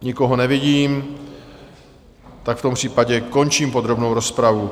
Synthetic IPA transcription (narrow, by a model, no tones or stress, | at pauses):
ɲɪkoɦo̞nɛvɪɟiːm | t̪akft̪o̞mpr̥iːpaɟɛko̞nt͡ʃiːmpo̞d̪ɾo̞bnowɾo̞spɾavu